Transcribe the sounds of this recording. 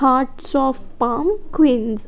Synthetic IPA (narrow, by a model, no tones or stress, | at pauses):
aʈsɔfpaːmkwĩnz